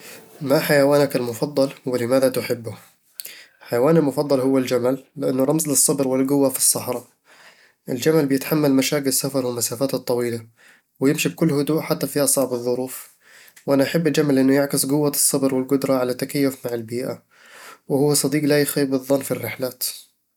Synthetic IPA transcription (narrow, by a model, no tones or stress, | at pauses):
maħajawaːnakalmʊfɑd̪ˤːɑlwɪlɪmaːðat̪ʊħɪbːʊ | ħajawaːnɪlmʊfɑd̪ˤːɑlhʊwːald͡ʒamalːɪʔanːʊɾˤɑmzlɨsˤːɑbɾwɪlɡʊwːafi̥sˤːɑħɾˤɑ | ʔɪld͡ʒamalbɪjɪt̪ħamːalmaʃaːkɪlsːafɑɾˤwɪmasaːfaːt̪t̪ˤːɑwiːla | wɪjɪmʃib̚kʊlːhʊd̪uːʔħat̪ːafiːʔɑsˤɑʕbɨðˤːʊɾuːf | wʔanaʔaħabːʔad͡ʒamalʔɪnːʊjɪʕkɪsɡʊwːasˤːɑbɾwɪlɡʊd̪ɾˤɑʕalat̪ːakajːʊfmaʕɪlbiːʔa | wɪhʊwːasˤɑd̪iːɡlajxaːbɨðˤːɑnːfirːɪħlaːt̪